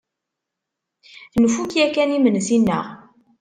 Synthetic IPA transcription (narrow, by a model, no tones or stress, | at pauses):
θnəfukjækænimənsinːə̰ʁ